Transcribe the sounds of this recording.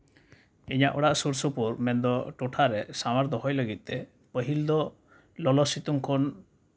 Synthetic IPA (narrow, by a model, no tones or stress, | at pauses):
iɲaʔɔ̰ɽaʔsuɾsupuɾmɛnd̪ɔʈɔʈʰaɾɛsamaɾd̪ɔɦɔjləɡit̪̚ˀt̪ɛ | pəɦild̪ɔ | lɔlɔsit̪uŋkʰɔn